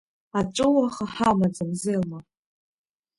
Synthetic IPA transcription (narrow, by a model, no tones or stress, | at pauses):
aʈ͡ʂʼɨwaχaħamad͡zamzeːlma